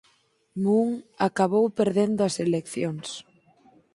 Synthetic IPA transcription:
muŋakaβowpeɾðend̪ʊɐselekθjoŋs

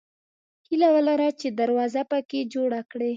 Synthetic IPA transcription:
hilawəlaɾat͡ʃed̪aɾwɑzapəked͡ʒoɽakɽe

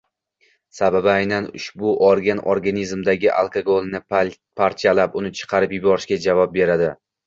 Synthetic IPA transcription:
sababajnanʊ̰ʃbʊʔoɾɡʲanʔoɾɡanizmd̪aɡʲɪʔa̰lˠkʰaɡolˠnɪ | pʰaɾt̪ʰijalapʊnɪt͡ʃʰɨ̥qʰɑɾɪpjʊbɒɾɪʃkʲad͡ʒavɒp̚be̞ɾad̪ɪ

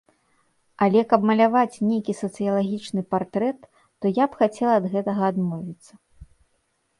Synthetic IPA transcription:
alʲɛkɐbmɐlʲavat͡sʲnʲejkʲisɐt̪sɨjɐlˠaɣʲit͡ʂnɨpart̪ɾɛt̪ː | ɔjapxat͡sʲɛlˠɐːd̪ɣɛt̪ɐɣɐːd̪mɔvʲit̪sːɐ

